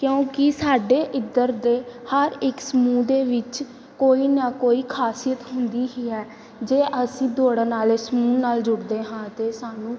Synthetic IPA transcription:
kjõːkɪsaːɖeːʔɪd̪əɾd̪eːhəɾɪksəmuːd̪eːʋɪt͡ʃ | koːiːnakoːiːkʰaːsijət̪ɦʊnd̪iːɦiːɛː | d͡ʒeːʔəsĩːd̪oːɽaːnaːleːsmuːnaːld͡ʒʊɽd̪eːɦãːt̪eːsaːnũː

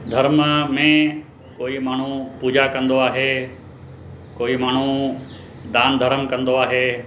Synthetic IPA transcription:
d̪ʱɐɾməmẽ | koːimaːɳ̤upuːd͡ʑakɐ̃nd̪oaːɦeː | koːimaːɳ̤u | d̪aːnd̪ʱəɾəmkɐ̃nd̪oaːɦeː

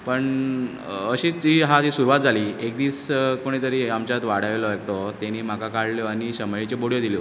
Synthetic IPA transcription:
pəɳ | əɕiːtiːɦat̪isuɾuʋat̪̚d͡zʱaliːek̚d̪iːskoɽ̃it̪əɾiamt͡ɕat̪ʋaɽ̤aʋelɔek̚ʈ̪ɔt̪eniːm̤akakaɽljɔaniɕəmɭit͡ɕeboɽjɔd̪iljɔ

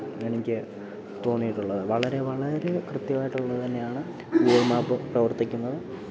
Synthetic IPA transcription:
enikʲːɨ | t̪o̞ːnːijiʈːuɭːɐðɨʋɐɭɐɾe̞ʋɐɭɐɾe̞krɨt̪jɐʋaːjiʈːuɭːɐðɨt̪ɐnːe̞jaːɳɨ | iɾmaːpːɨprɐʋɐrt̪ikʲːunːɐðɨ

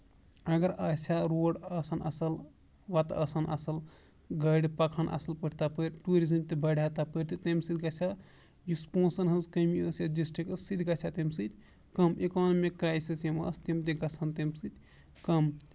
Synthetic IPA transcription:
ɐɡɐɾɐsjaɾoɖɐsɐnʔɐ̰sɐl | ʋat̪ɐsɐnɐ̰sɐl | ɡɐjɖpɐkʰanʔɐ̰sɐlpəɽt̪apəjɾʈuɾizɐmt̪ebʱɐjɖʱat̪apəɾt̪it̪ɐmsid̪̚ʰɡɐsʰʲa | juspõːsɐnɦɐzkɐmiəsjad͡ʒisʈikəssid̪ʱɡɐsʰʲjat̪emsɨt̪ʲ | kɐmekɔnmikːɾajsisjemə̰st̪emt̪eɡɐsʰant̪emsɨt̪ʲ | kɐm

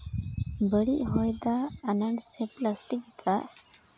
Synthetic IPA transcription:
bəɽiʔɦɔjd̪aːnaɳɖseplasʈik̚t̪ʰaʔ

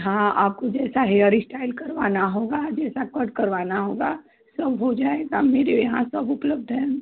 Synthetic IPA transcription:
ɦãaːp̚kod͡ʒɛːsaɦeəɾisʈaːɪlkɐɾʋaːnaɦoːɡad͡ʒɛːsakəɖkɐɾʋaːnaɦoːɡa | sɐbɦod͡ʒaːeɡameːɾejɐɦã̰sɐbʊpləb̚d̪ʱɦɛ̃ː

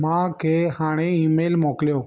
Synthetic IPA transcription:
mãːkʰeːhaːɽ̃eːiːmeːlmoːkljoː

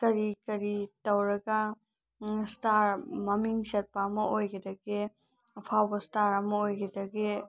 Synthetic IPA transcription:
kɐɾikɐɾitɐwɾɐɡa | staɾmɐmiŋsɐt̚pamɐojɡedɐɡe | pʰawbɐstaɾɐmɐojɡedɐɡe

